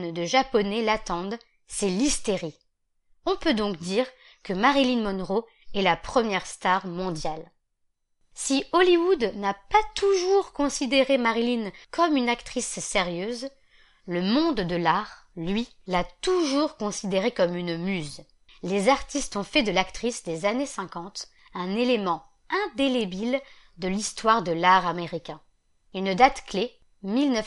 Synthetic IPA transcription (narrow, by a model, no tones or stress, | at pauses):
nd̪əʒapɔnelat̪ɑ̃d̪ | sɛlist̪eʁi | ɔ̃pød̪ɔ̃kd̪iʁ | kəmaʁilinmɔnʁo | ɛlapχəmjɛʁst̪aʁmɔ̃d̪jal | siɔliwud̪napat̪uʒuʁkɔ̃sid̪eʁemaʁilinkɔmynakt̪χisseʁjøz | ləmɔ̃d̪d̪əlaʁ | lɥi | lat̪uʒuʁkɔ̃sid̪eʁekɔmynmyz | lezaʁt̪ist̪ɔ̃fɛd̪əlakt̪χisd̪ezanesɛ̃kɑ̃t̪ | ɛ̃nelemɑ̃ | ɛ̃d̪elebil | d̪əlist̪waʁd̪əlaʁameʁikʲɛ̃ | ynd̪at̪kle | milnə